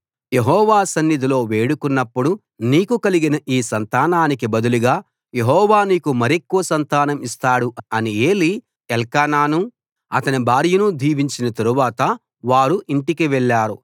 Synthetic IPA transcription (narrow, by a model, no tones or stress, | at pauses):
je̞ɦɔːʋaːsɐnːid̪ʱilo̞ːʋe̞ːɽukunːɐpːuɽu | niːkukɐliɡinɐʔiːsɐnt̪aːnaːnikibɐd̪uluɡaː | je̞ɦɔːʋaːniːkumɐɾekːuʋɐsɐnt̪aːnɐmist̪aːɽuʔɐnieːli | ɛlkaːnaːnu | ɐt̪ɐnibʱaːɾjunud̪ʱiːʋiɲt͡ʃinɐt̪ɐɾuʋaːt̪ɐ | ʋaːɾuʔiɳʈikiʋɛɭːaːɾṵ